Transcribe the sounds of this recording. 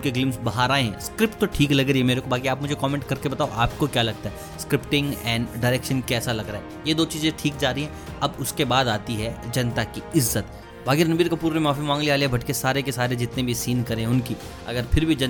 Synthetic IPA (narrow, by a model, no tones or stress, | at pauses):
nkeɡlɪ̃mpsbɐɦaːɾaːẽɦɛ̰̃skɾɪpʈ̚t̪oʈʰiːklɐɡɾiɛmeːɾekobʱaːkiaːpmʊd͡ʒʱekɔːmẽːɳʈkɐɾkebɐt̪aːoʔaːpkokjaːlɐɡ̚t̪aɦɛ | skɾɪpʈɪ̃ŋɡɛ̃ːɳɖaːɾeːkʃənkɛːsalɐɡɾaːɦɛ | jed̪oːt͡ʃiːzẽʈʰiːk̚d͡ʒaːɾɐɦiɦɛ̃ | ɐbʊskebaːd̪aːt̪iɦɛd͡ʒɐnt̪akiɪzːət̪ | ʋaːɡɪɾnɐbiːɾkapuːɾɾemaːfimãːŋɡliaːleɛbʱɐʈkesaːɾekesaːɾed͡ʒɪt̪nẽbʱisiːnkɐɾẽɦɛ̃ʊnki | ɐ̰ɡəɾpʰɪɾbʱid͡ʒɐ